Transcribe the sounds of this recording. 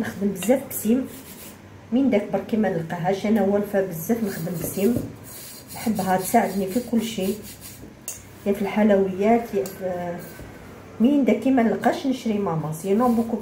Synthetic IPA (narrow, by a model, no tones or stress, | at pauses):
nəxd̪əmbəzːæfbsim | mind̪æk̚bəɾˤkimænəlqɑɦæʃʔænæwæɾfæbəzːæfnəxd̪əmbsim | nħəbːɦæt̪saʕəd̪nifikʊlːʃi | jæfəlħalæwəjːæt̪jæʔ | miənd̪ækːimænəlqæʃnəʃɾimæmɑsiænobuku